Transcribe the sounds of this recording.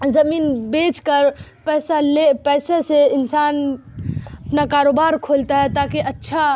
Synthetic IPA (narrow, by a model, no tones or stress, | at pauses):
zəminbet͡ʃkəɾpɛsalepɛːseseɪnsan | əpnakaɾobaɾkʰolt̪aɦɛt̪akeʔətːʃʰa